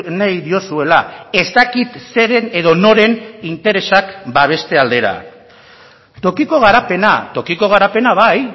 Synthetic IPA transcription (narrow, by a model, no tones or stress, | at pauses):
najðio̞sue̞lae̞zt̪akit̪se̞ɾene̞ðo̞no̞ɾe̞nint̪e̞ɾe̞sakbaβ̞e̞st̪e̞ald̪e̞ɾa̰ | t̪o̞kiko̞ɣ̞aɾape̞nat̪o̞kiko̞ɣ̞aɾape̞naβaj